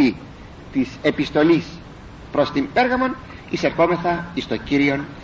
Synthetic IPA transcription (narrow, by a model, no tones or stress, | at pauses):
i | t̪ise̞pist̪o̞lis | pɾo̞st̪impe̞ɾɣɐmo̞n | ise̞ɾxo̞me̞θɐist̪ociɾio̞n